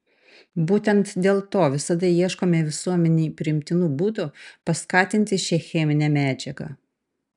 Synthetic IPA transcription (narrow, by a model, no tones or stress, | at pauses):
buːt̪ʲɛnt̪d̪ʲeːlˠt̪oːʋʲɪsɐd̪ɐjiɛʃkoːmʲeʋʲɪsuɔmʲɛnʲɛːpʲɾʲɪɪmʲt̪ʲɪnuːbuːd̪ʊpɐskɑːt̪ʲɪnʲt̪ʲɪʃʲɛxʲɛmʲɪnʲɛːmʲæːd͡ʒʲɛɡɑ̰ː